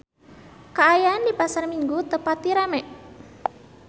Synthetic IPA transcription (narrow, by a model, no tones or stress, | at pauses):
kaːjaːndipasarmiŋɡut̪əpat̪ːiɾamɛʔ